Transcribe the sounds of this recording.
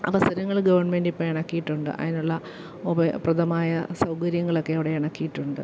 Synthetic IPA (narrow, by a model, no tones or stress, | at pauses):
ɐ̰ʋɐsɐɾɐŋːɐɭɡɐʋɐrɳmendipːɐmiɳɐkːijiʈːuɳɖɨ̰ʔɐ̰ðinuɭːɐ | ubɐprɐd̪ɐmaːjɐsɐwkɐɾjɐŋːɐɭo̞kːeːʋiɽe̞iɳɐkːijiʈːuɳɖɨ̰